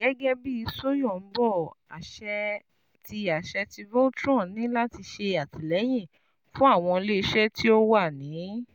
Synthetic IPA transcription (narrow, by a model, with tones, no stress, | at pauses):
ɡɛ˦ɡɛ˦bi˦i˧so˦jɔ̃˦˨˦bɔ˦˨a̰˨ʃɛ˧ | ti˧a˨ʃɛ˧ti˧vo˦tɾɔ̃˦˨nĩ˨˦la˦ti˧ʃe˧a˨ti˨lɛ˨˦j̃ĩ˦˨ | fũ˦a˦˨w̃ɔ̃˧le˦˧˦ʃɛ˦ti˦o˦wa˦˨nĩ˨˦